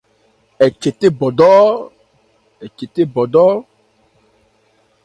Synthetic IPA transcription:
e˨t͡ʃe˨t̪e˦bɔ˨dɔ˦ | e˨t͡ʃe˨t̪e˦bɔ˨dɔ˦

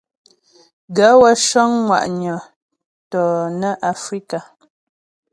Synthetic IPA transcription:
ɡa˨˦wa˦ʃɔ˦ŋŋwa̰˨ʔɲɔ˨ | tɔ˨nə˦ʔa˨fɾi˦ka˨

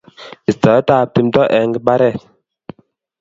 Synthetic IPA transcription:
i˨tɔ˨˦ta˦˨p̚ti˨˦mtɔ˦ʔɛ˨ŋɡə˦ɓa˦ɾɛ˦˨

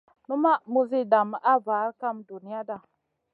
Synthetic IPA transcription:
nu˦ma˦mu˦zi˦da˨m˨ʔa˦va˨˦ɾka˦mdu˨ni˦ja˦da˨

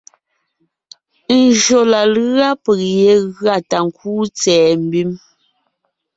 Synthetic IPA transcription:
n̩˨d͡ʒo˨la˨la˦pɛ˨k̚je˨˦ɣɰa˦˨ta˨ŋ̩˨kuː˦t͡sɛː˨m̩˦bi˦m

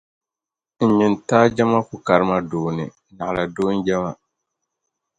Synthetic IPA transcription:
n̩˨ɲi˨n˨taː˦d͡ʒɛ˦ma˦ku˦ka˨ɾɨ˦ma˦doː˨nɨ˨ | na˨ʔla˨doː˦n̩˦d͡ʒɛ˦ma˦

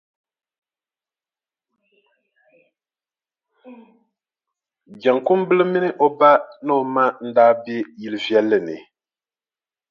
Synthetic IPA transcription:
d͡ʒa˨ŋkʊ˦mbɨ˦lɨ˦mi˦nɨ˦ʔo˦ba˦nɨ˦o˨ma˦n̩˦daː˦be˦ji˦lɨ˦vɛ˦lːɨ˨nɨ̰˨

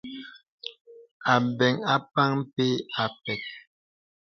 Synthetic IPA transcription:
a˨bɛ˨ŋa˦pa˦ŋm˦pe˦a˨pɛ˨k̚

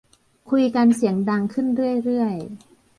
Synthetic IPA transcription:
kʰu˧jka˧nsi˩˦əŋda˧ŋkʰɯ˥˩nɾɯ˥˩əjɾɯ˥˩əj

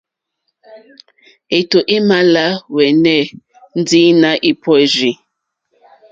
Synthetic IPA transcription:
e˨to˨ʔi˦ma˦la˦wɛ˨nɛ˦˨ | n̩˦di˦na˦ʔi˦pʰɔ˦˨zi˨

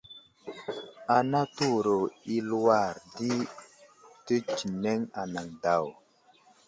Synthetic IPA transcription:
a˨na˦tu˦˨ɾo˨i˦lwa˦˨ɾdi˦ | tə˦t͡ʃi˨ne˦ŋa˨na˨ŋda˨w

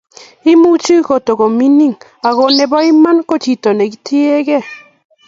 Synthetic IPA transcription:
i˦mu˦t͡ʃi˦ko˨to˨ɡo˨mi˦ni˦ŋ | a˨ɣo˨nɛ˨bɔ˦i˦ma˦nko˦t͡ʃi˨to˨nɛ˨ɡi˦ti˦e˦ɡɛ˦˨

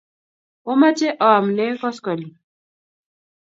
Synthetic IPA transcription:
o˦ma˦t͡ʃe˦ʔɔ˨mle˦kɔ˦skɔ˨li˨

